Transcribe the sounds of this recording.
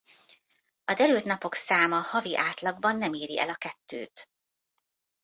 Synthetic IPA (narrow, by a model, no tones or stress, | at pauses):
ɒd̪ɛɾylt̪nɒpo̞ksaːmɒhɒviʔaːt̪lɒɡbɒnːɛmiːɾiʔɛ̰lɒkɛt̪ːø̰ːt̪